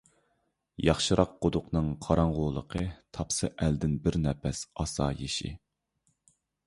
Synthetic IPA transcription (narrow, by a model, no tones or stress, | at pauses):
jɑχʃɨɾɑq̚qod̪ʊqnɨŋqʰɑɾɑɴʁʊlˠlˠə̰qʰət̪ʰɑpsɨʔæld̪ɪnbɪɾnɛpʰɛsɑsɑjeʃḭ